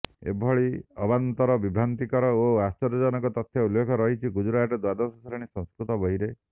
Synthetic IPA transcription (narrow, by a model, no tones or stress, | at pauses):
ḛbʱɔɭiɔbant̪ɔɾɔbibʱɾant̪ikɔɾɔoast͡ʃɔɾɔd͡ʒɔnɔŋkɔt̪ɔt̪ʰjɔulːekʰɔɾɔɦit͡ʃʰiɡud͡ʒuɾaaʈɔd̪wad̪ɔsɔsɔɾɔɽ̃isɔ̃ŋskɾut̪ɔbɔɦiɾe